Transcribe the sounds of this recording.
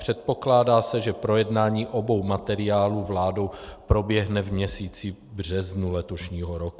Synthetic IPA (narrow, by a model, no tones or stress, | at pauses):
pr̝̥ɛt̪̚po̞klaːdaːsɛʒɛpɾo̞jɛdnaːɲiːʔo̞bo̞wmat̪ɛɾɪaːluːvlaːdo̞wpɾo̞bjɛɦnɛvmɲɛsiːt͡si | br̝ɛznulɛt̪o̞ʃɲiːɦoɾoku